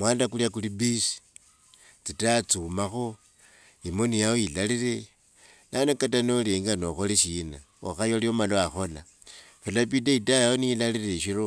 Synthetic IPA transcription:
mwaːndakuljakulibisi̥ | t͡sitat͡sumaxo | imonijaoilalire | nanokatanoleŋɡano̞xoleʃina̰ | o̰xajoliomaloaxo̞la | felap̬idaitajaonilalireʃiro

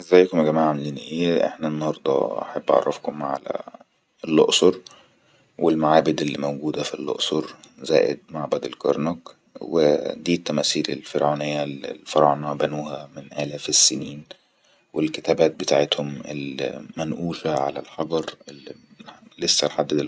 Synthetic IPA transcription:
ʔezːæjːkomæɡæmaːʕʕamliːnʔeːʔḛħnæenːɑhɑɾˤd̪ˤɑ̰ʔa̰ħabːʔɑ̰ʕɑ̰rˤːɑfkomʕa̰læ̰ | elːoʔsˤoɾˤ | welmaʕaːbɪd̪elːimæwɡuːd̪æfilːo̰ʔsˤoɾˤzæ̰ːʔḛd̪̚maʕbæd̪elkɑɾˤnok | wḛd̪iːt̪ːæmæːsiːlḛlfeɾʕuːnejːælfɑɾˤʔɑnɑbænuːhæmɪnʔælæːfesːeniːn | welket̪æːbæːt̪̚bet̪aʕet̪homḛlmːænʔuːʃæʕa̰læ̰lħɑɡɑɾˤel | lesːænħad̪ːed̪

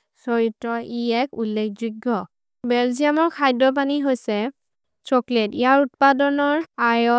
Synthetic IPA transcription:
sɔɹitːɔʔiɛkulːek̚ʰzuɡːɔ | bɛlziamɔɹkʰajdɔp̬aniɦojsɛ | sɔkletijaɹutpadɔnɔɹajɔ

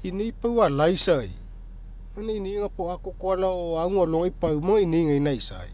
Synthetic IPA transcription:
inejpawalajsaj | maneiniːŋapoakokoalaoaŋualoŋajpawmaŋainijŋainajsa̰j

